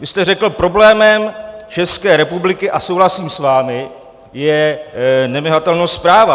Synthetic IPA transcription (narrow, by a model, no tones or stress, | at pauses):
vɪst̪ɛrɛkl̩pɾo̞blɛːmɛmt͡ʃɛskɛːɾɛpublɪkɪʔasowɦlasiːmsvaːmɪ | jɛ | nɛmɪɦat̪ɛlnowspɾaːva